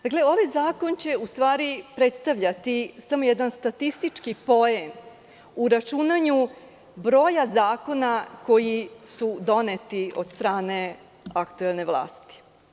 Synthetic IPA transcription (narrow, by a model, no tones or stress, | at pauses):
d̪akle̞o̞ʋajzaːko̞nt͡ɕe̞ust̪ʋaːɾipɾet̪st̪aʋʎat̪isamo̞jed̪anst̪at̪ist̪it͡ʃkipo̞em | uɾat͡ʃunaɲu | bɾo̞ːjazaːko̞nako̞jisud̪o̞net̪io̞̰d̪st̪ɾaːne̞ | akt̪uelˠne̞ʋlˠa̰ːst̪i̥